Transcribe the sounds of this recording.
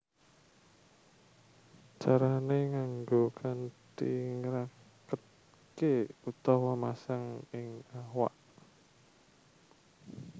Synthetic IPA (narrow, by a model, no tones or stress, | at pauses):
t͡ʃaɾaneŋaŋɡokʰand̪iŋəɾa | kət̪̚ | keut̪ɔwɔmasaŋɪŋawa̰ʔ